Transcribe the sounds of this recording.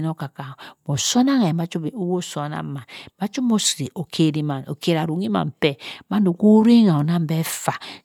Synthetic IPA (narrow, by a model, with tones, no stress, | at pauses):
no˦ka˨ka˨mo˨so˦na˦ŋa˨i˨ma˦t͡ʃu˦˨u˦wo˦so˨˦na̰˦ma˨nma˦t͡ʃo˦mo˦sɾi˨ʔo˨kʰe˨ɾi˨ma˨no̰˨ke˨ɾa˨ɾu˨˦ŋi˦ma̰˨m̩˨pɛ˦ma˦no˨ku˦ɾi˦ŋa˨o˨na˦m˦bɛ˦fa˨